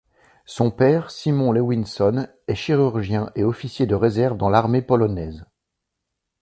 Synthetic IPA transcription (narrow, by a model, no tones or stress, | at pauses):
sɔ̃pɛʁsimɔ̃lewinsɔn | ɛʃiʁyʁʒjɛ̃ʔeɔfisjed̪əʁezɛʁvd̪ɑ̃laʁmepɔlɔnɛz